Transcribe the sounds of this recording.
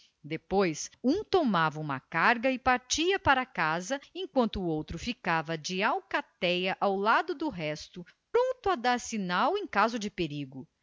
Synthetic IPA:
d̪epojsũt̪omavɐũmɐ̰kaɾɡɐɪpaɾt͡ʃiɐpaɾɐkazɐẽkwɐ̃nt̪ʊːowt̪ɾʊfikavɐd͡ʒɪawkat̪ɛjɐʔawlad̪ʊd̪ʊɦɛst̪ʊpɾõnt̪ʊɐd̪aɾsinawẽj̃kazʊd͡ʒɪpeɾiɡʊ

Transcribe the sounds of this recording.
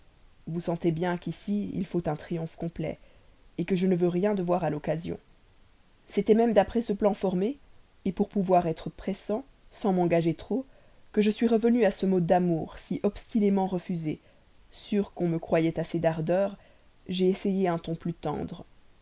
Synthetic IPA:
vusɑ̃t̪ebjɛ̃kisiḭlfot̪ɛ̃t̪χijɔ̃fkɔ̃plɛ̰ | ekəʒənəvøʁjɛ̃d̪əvwaʁalɔkazjɔ̰̃ | set̪ɛmɛmd̪apχɛsəplɑ̃fɔʁmeː | puʁpuvwaʁɛt̪χəpχesɑ̃ | sɑ̃mɑ̃ɡaʒet̪χo | kəʒəsɥiʁəvənyasəmɔd̪amuːʁsiʔɔpst̪inemɑ̃ʁəfyze | syʁkɔ̃məkχwajɛt̪ased̪aʁd̪œːʁ | ʒeːsejeɛ̃t̪ɔ̃plyt̪ɑ̰̃d̪ʁ

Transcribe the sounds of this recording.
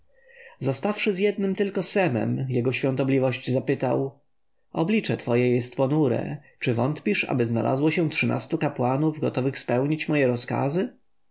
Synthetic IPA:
zɔst̪afʂɘzjɛd̪̚nɘmt̪ɘlkɔsɛmɛ̰mjɛɡɔɕfʲɔ̃nt̪ɔblʲivɔɕt͡ɕzapɘt̪a̰w | ʔɔblʲit͡ʂɛt̪fɔjɛjɛst̪pɔnuɾɛ̰t͡ʂɘvɔnt̪pʲiʂa̰bɘzna̰la̰zwɔɕɛtʂɘna̰st̪ukapwanuvɡɔt̪ɔvɘxspɛwɲit͡ɕmɔjɛɾɔska̰zɘ

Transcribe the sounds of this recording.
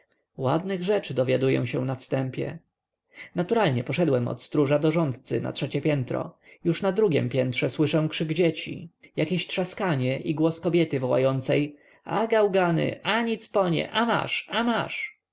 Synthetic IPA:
wad̪nɘɣʐɛt͡ʂɘd̪ɔvʲjad̪ujɛ̰̃w̃ɕɛ̃nafst̪ɛmpʲjɛ̰ | nat̪uɾalɲɛpɔʂɛd̪wɛmɔ̰t̪st̪ɾuʐad̪ɔʐɔnt̪t̪sɘ̰na̰tʂɛt͡ɕɛpʲjɛnt̪ɾɔ̰juʂnad̪ɾuɡʲɛ̰mpʲjɛnt̪ʂɛswɘʂɛw̃kʂɘɡd͡ʑet͡ɕḭjakʲeɕt̪ʂaskaɲɛʔiɡwɔskɔbʲjɛt̪ɘvɔwa̰jɔnt̪sɛj | a̰ɡawɡanɘ̰ʔaɲit̪spɔɲɛ̰ʔama̰ʂamaʂ

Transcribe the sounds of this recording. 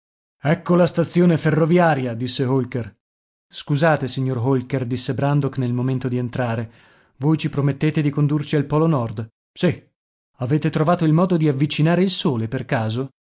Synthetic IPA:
ɛkːolast̪at̪sːjoːneferːovjaːɾjad̪isːeɦolker | skuzaːt̪esiɲːorɦolkerd̪isːebɾand̪oknelmoment̪od̪ient̪ɾaːɾe | voːjt͡ʃipɾomet̪ːeːt̪ed̪ikond̪urt͡ʃialpɔːlonɔrd̪ | si | aveːt̪et̪ɾovaːt̪oilmɔːd̪od̪iavːit͡ʃinaːɾeilsoːleperkaːzo

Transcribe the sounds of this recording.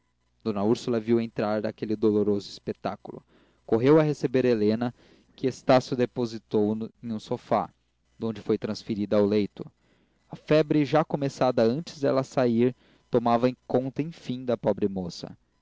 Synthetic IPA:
d̪̥õnɐuɾsulɐviwẽnt̪ɾaɾnɐkelɪd̪oloɾozʊispet̪akulʊ̰ | koɦewɐɦesebeɾelẽnɐ | kɪest̪asjʊd̪epozit̪owẽŋũsofa̰ | d̪õnd͡ʒɪfojt̪ɾɐ̃sfiɾid̪ɐawlejt̪ʊ | ɐfɛbɾɪʒakomesad̪ɐɐ̃nt͡ʃɪ̥zd̪ɛlɐsaiɾ | t̪omavɐẽjkõnt̪ɐẽj̃fĩd̪ɐpɔbɾɪmosɐ̰

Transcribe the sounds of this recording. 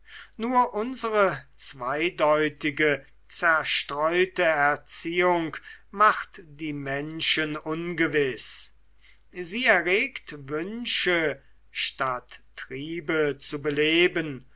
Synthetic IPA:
nuːɐʔʊnzəʁət͡sv̥aɪdɔʏtɪɡə | t͡sɛɐʃtʁ̥ɔʏtəɛɐt͡siːʊŋkmaχtd̥iːmɛnʃənʊnɡəvɪs | ziːɛɐʁeːktvʏnʃə | ʃtatː | ʁiːbət͡subəleːbən

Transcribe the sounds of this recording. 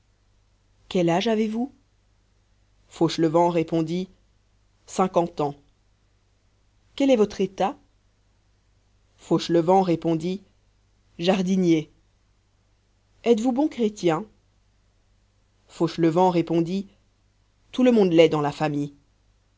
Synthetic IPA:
kʲɛlaʒavevu | foʃləvɑ̃ʁepɔ̃d̪i | sɛ̃kɑ̃t̪ɑ̃ | kʲɛlɛvɔt̪χet̪a | foʃləvɑ̃ʁepɔ̃d̪i | ʒaʁd̪inje | ɛt̪vubɔ̃kχet̪jɛ̃ | foʃləvɑ̃ʁepɔ̃d̪i | t̪uləmɔ̃d̪lɛd̪ɑ̃lafamij

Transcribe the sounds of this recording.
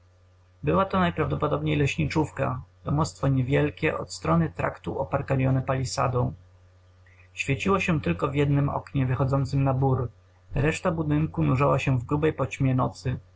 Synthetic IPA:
bɘwat̪ɔnajpɾavd̪ɔpɔd̪ɔbɲejlɛɕɲit͡ʂufka̰d̪̥ɔmɔst̪fɔɲɛvʲjɛlkʲɛʔɔ̰t̪st̪ɾɔnɘt̪ɾa̰kt̪uɔpaɾkalʲjɔnɛpalʲisa̰d̪ɔ̃w̃ | ɕfʲjet͡ɕiwɔɕɛt̪ɘlkɔvʲjɛd̪nɘmɔ̰kɲɛvɘxɔd̪zɔnt̪sɘmnabuɾ | ɾɛʂt̪abud̪ɘŋkunuʐawaɕɛ̃vɡɾubɛjpɔt͡ɕmʲjɛnɔt̪sɘ

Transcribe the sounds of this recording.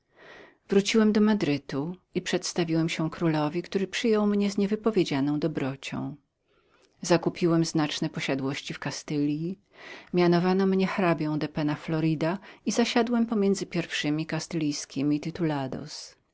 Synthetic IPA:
vɾut͡ɕiwɛmd̪ɔmad̪ɾɘt̪uipʂɛt̪st̪avʲiwɛmɕɛkɾulɔvʲikt̪uɾɘpʂɘjɔwmɲɛzɲɛvɘpɔvʲjed͡ʑanɔ̃w̃d̪ɔbɾɔt͡ɕɔ̰̃w̃ | zakupʲiwɛmznat͡ʂnɛpɔɕad̪wɔɕt͡ɕifkast̪ɘlʲji | mʲjanɔvanɔmɲɛxɾabʲjɔ̃w̃d̪ɛpɛnaflɔɾid̪aizaɕad̪wɛmpɔmʲjɛndzɘpʲjɛɾfʂɘmʲikast̪ɘlʲijskʲimʲit̪ɘt̪ulad̪ɔ̰s

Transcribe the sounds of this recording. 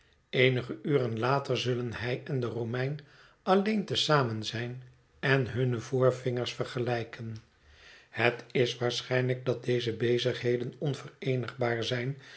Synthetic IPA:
ejnəχəyːʁənlaːtərzɵlənhɛjɛndəromɛjn | ɑlejntəsaːmənzɛjn | ɛnɦɵnəvʊːɹvɪŋəɹsfəɹχəlɛjkʰən | hətɪsʋaːɹsχɛjnləɡ̚dɑt̚dejzəbejzəχɦejdənɔnvərejnəχbaːɹzɛjn

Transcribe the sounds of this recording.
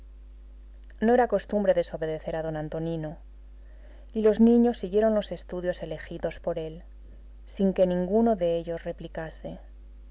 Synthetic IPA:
no̞e̞ɾako̞st̪umbɾe̞ðe̞so̞βe̞ðe̞θe̞ɾaðo̞nãnt̪o̞nino | ilo̞znĩɲo̞sːiɣje̞ɾo̞nlo̞se̞st̪uðjo̞se̞le̞xiðo̞spo̞ɾe̞l | siŋke̞nĩŋɡuno̞ðe̞eʎo̞sre̞plikase̞

